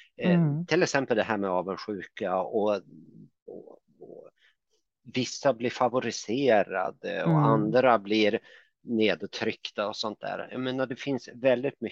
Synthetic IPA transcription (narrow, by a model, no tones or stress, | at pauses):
t̪ʰɪlɛksɛmpəld̪ɛɦæːɾmɛɑːvənɧʉ̟ːkaɔ | ɔ | ɔ | vɪsːablɪɾfavʊɾɪseːɾa̰d̪ə̰ɔand̪ɾablɪɾ | neːd̪t̪ʰɾʏkt̪aɔsɔnt̪̚d̪æ̰ːɾja̰meːnaɖ̪ɛfɪnsvɛld̪ɪt̪̚mʏ